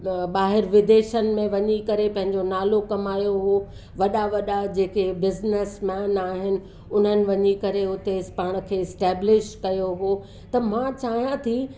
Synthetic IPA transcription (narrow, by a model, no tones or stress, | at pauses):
ɓaːɦɪɾʋɪd̪eːʃənɪ̆mẽʋɐɲikɐɾepɐ̃ɦɪ̃ɲd͡ʑonaːlokɐmaːjoɦo | ʋɐɗaʋɐɗad͡ʑeːkebɪznɪsmɛ̃ːnaːɦɪnɪ̆ | ʊn̤ənɪ̆ʋɐɲikɐɾeʊt̪espaːɽ̃ə̆kʰeːɪsʈɛːblɪʃʈkɐjoɦo | t̪ɐmãt͡ɕaːɦijãt̪ʰi